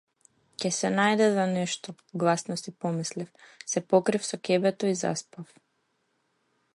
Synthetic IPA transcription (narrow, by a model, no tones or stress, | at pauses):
cɛsɛnajd̪ɛzanɛʃt̪ɔ | ɡlˠasnɔsipɔmislifsɛpɔkɾifsɔcʲɛbɛt̪ɔiza̰spaf